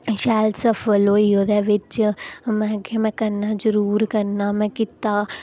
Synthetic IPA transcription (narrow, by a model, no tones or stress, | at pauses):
ʃaːlsɐfɔloijod̪ɛʋɪt͡ʃmɛ̃ːkʰemɛ̃kɐnːazəɾuːɾkɐnːamɛ̃kɪt̪a